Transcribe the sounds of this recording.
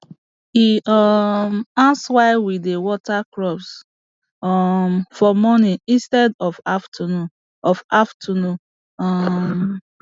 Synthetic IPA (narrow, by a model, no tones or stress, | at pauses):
iɔmãnswaɪwidewɔtakɹɔps | ɔmfɔmɔniĩstɛdɔfaftʰanũ | ɔfaftʰənũn | ɔm